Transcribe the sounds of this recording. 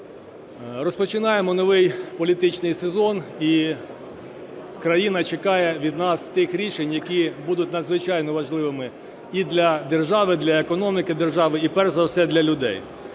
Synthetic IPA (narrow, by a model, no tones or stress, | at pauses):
rɔspɔt͡ʃɪnɑjemɔnɔʋɪjpɔlʲit̪ɪt͡ʃnɪjsezɔni | kɾɐjinɐt͡ʃekɑjɛʋʲid̪nɑst̪ɪxɾʲiʃenʲjɐkʲibud̪ʊt̪ʲnɐd̪zʋɪt͡ʃɑjnɔʋɐʒlˠɪʋɪmɪ | id̪lʲɐd̪e̞rʒɑʋɪd̪lʲɐekɔnɔmʲikɪd̪erʒɑʋɪipɛrzɐwsɛd̪lʲɐlʲʊd̪ɛ̰j